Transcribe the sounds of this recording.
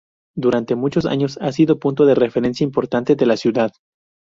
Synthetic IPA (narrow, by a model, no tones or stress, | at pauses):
d̪uɾant̪e̞mut͡ʃo̞s̬a̰ɲo̞sasiðo̞punt̪oðere̞feɾe̞nsjaimpo̞ɾt̪ant̪e̞ðe̞lasjuðað